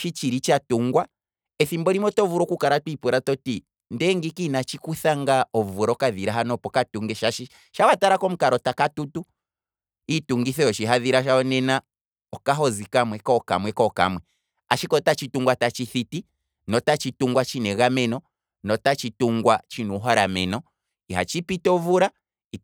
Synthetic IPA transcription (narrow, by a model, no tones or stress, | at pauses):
ʃit͡ʃiɾit͡ʃatuŋɡwa | ɛθimbɔɾimɔtɔvuɾɔkukaɾatwipuɾatɔti | ndɛŋɡikinat͡ʃikuθaŋɡaɔvɾɔkaðiɾaɦanɔpɔkatuŋɡɛʃaʃi | ʃawataɾakɔm̩kaɾɔtakatutu | ituŋɡiθɛɔʃiɦaðiɾaʃaɔnɛna | ɔkaɦɔzikamwɛkɔka̰mwɛkɔka̰mwɛ | a̰ʃikɔtat͡ʃituŋɡwatat͡ʃiθiti | nɔtat͡ʃituŋɡwat͡ʃinɛɣamɛnɔ | nɔtat͡ʃituŋɡwat͡ʃinuɦɔɾamɛnɔ | iɦa̰t͡ʃipitɛɔvuɾa | i